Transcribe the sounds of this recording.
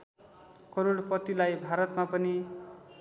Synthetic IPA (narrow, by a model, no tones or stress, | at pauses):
kʌɾoɽpʌt̪ilajbʱaɾʌt̪mapʌni